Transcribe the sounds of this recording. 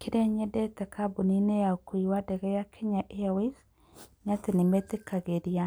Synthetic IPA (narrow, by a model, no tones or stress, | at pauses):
kɪdeɲɛdɛt̪ɛkabuninejakiwadɛɡɛjakʰeɲaʔeawis | ɲat̪enɪmet̪ekaɡedia